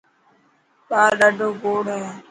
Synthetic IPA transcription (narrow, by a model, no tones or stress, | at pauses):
ɓaːɾɗaːɖʱoːɡoːɽɦɛː